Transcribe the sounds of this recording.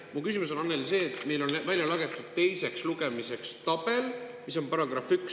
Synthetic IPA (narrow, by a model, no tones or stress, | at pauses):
mukysimus̬o̞nɑnːelse̞ːt̪ːˑme̞jlo̞nvæljɑlɑɡe̞t̪ːˑud̪̥̚t̪e̞jse̞ksluɡ̥e̞mise̞kst̪ɑbe̞lmiso̞npɑɾɑɡɾɑfyks